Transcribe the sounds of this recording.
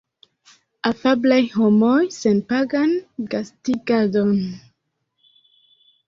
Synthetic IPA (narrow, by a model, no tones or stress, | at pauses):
afablajhomojsenpaɡanɡastiɡadon